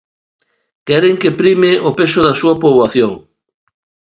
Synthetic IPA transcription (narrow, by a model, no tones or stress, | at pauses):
kɛɾeŋkepɾimɪʔopesʊðɐsuɐpoβwaθjoŋ